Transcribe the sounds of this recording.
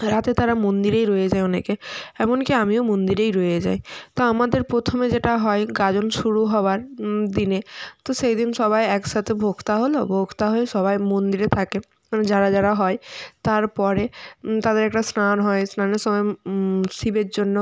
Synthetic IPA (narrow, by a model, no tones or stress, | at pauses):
ɾat̪et̪aɾamond̪iɾejɾojed͡ʑajonekeɛmonkiamiomond̪iɾejɾojed͡ʑa̰jt̪oamad̪eɾpɾot̪ʰomed͡ʑeʈaɦɔeɡad͡ʑonʃuɽuɦɔwaɾd̪inet̪oʃejd̪inʃɔbajɛkʃat̪ʰebʱoɡʰt̪aɦolo̰bʱokʰt̪aɦoeʃɔbajmond̪iɾet̪ʰake | d͡ʑaɾad͡ʑaɾaɦɔet̪aɾpɔɾet̪ad̪eɾɛk̚ʈasnanɦɔesnaneɾʃɔmɔesibeɾd͡ʑonːo